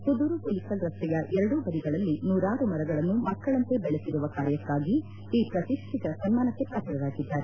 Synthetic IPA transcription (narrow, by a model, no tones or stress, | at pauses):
sud̪uɾupulikɐɡɾɐst̪ɛjɐʔɛɾɐɽubɐɾiɡɐɭɐlːinuːɾaːɾumɐɾɐɡɐɭɐnːumɐkːɐɭɐnt̪e̞bɛɭesiɾuʋɐkaːɾjɐkːaːɡiː | pɾɐt̪iʂʈʰit̪ɐɾɐsɐnmaːnɐkːe̞pɾaːkɐɾɐɾaːɡid̪ːaːɾe